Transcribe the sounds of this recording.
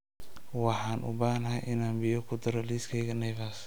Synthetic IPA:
wɑħɑːnʔʊ̰baːnɐɦɐjʔɪnaːmbɪjɔkʰʊd̪ɐɾɔliːskʰɛjɣɐnɛjβaːs

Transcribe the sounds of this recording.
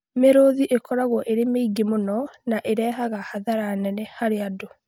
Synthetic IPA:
meɾoðiʔekɔɾaɣwɔʔeɾemeiɡemonɔnaʔeɾɛɦaɣahaðaɾaːnɛnɛhaɾeado

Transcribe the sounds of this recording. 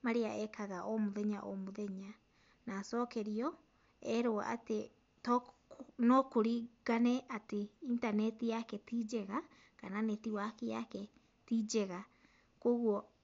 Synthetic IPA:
maɾeaɛkaɣaʔomoðɛɲaʔomoðɛɲa | naːsɔːkɛɾiɔ | ɛɾoa̰ʔa̰te | tɔ | nokoɾiɣanɛʔateintanɛtijakɛtid͡ʒɛɣa | kananetiwakejakɛ | tid͡ʒɛɣa | koɣwɔ

